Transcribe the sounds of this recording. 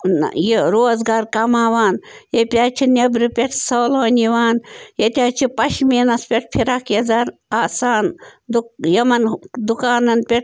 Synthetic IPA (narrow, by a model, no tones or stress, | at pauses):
jeɾoːzɡaːɾkɐmaːʋaːnjepʲaːt͡ʃʰinebɾɨpʲeʈʰsɐːloːniʋaːnjet̪ʲaːt͡ʃʰipɐʃmeːnɐspʲeʈ̚ʰpʰiɾakjɐzaɾaːsaːnd̪ujɐmɐnd̪ukaːnɐnpʲeʈ̚ʰ